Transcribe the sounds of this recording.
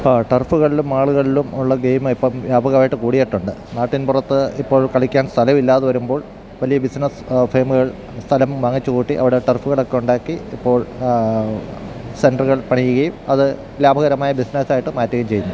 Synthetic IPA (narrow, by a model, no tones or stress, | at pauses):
ʈɐrfuɣɐɭilumaːɭuɣɐɭilumuɭːɐɡejmɨipːɐmjaːbʱɐɣɐaːjiʈːɨkuːɽijeʈːuɳɖɨnaːʈːinpurɐt̪ːɨipːo̞ːɭkɐɭikʲːaːnst̪ʰɐlɐmilːaːðɨʋɐɾumbo̞ːɭ | ʋɐlijɐbisnɐsfe̞ːmuɣɐɭ | st̪ʰɐlɐmʋɐŋːit͡ɕːukuːʈːiʔɐ̰ʋiɽeʈɐrfuɣɐɭo̞kːe̞uɳɖaːkːiːpːo̞ːɭ | se̞nɖrɨɣɐɭpɐɳijːuɣɐjumɐðɨ | laːbʱɐɣɐɾɐmaːjɐbisnɐsaːjiʈːɨmaːtːɐɣɐmt͡ɕe̞junːu